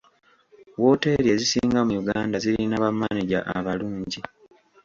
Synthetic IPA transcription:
wo̞ːte̞ɾe̞zisiːŋɡamujuɡaːndazilinaβamːaniɟa̰ʔa̰βaluːɲɟi

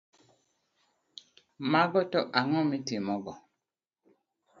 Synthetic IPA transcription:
maɡɔtɔʔaŋɔ̃mĩtimɔɡɔ

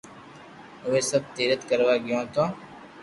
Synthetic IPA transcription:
ʋeːsəb̚t̪iːɾət̪kəɾʋaːɡɪjõːt̪õː

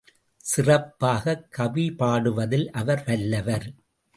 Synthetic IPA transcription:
sɪrɐpːaːɣɐkːɐʋipaːɽɯʋɐðɪlʔɐʋɐɾʋɐlːɐʋɐɾ

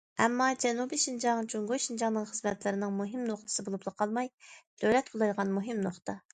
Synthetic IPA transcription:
ɛmːɑd͡ʒɛnubiʃind͡ʒɑŋt͡ʃʰoŋɡojʃind͡ʒɑŋnɨŋχəzmɛt̪lɪɾɪnɨŋmuɦɪmnoχt̪ʰɨ̥sɨbolˠuplˠəqʰɑlˠmɑjd̪̥øwlɛt̪̚kʰolˠɑjʁɑnmuɦɪmnoχt̪ʰɑ

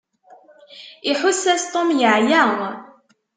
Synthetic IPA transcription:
ɪħʊsːæst̪ˤomjəʕjæŋ

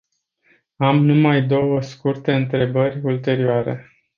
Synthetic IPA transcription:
amnumajd̪o̞wəskurt̪e̞ɨnt̪ɾe̞bərʲult̪e̞ɾioaɾe̞̰

